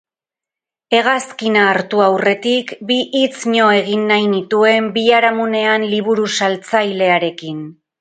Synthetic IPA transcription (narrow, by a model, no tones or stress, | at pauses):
e̞ɣaskinaːɾt̪uawre̞t̪ikbiʔit͡sɲo̞e̞ɣ̞inːajnit̪ue̞mbiaɾamune̞anliβ̞uɾusalt͡sajle̞aɾe̞kin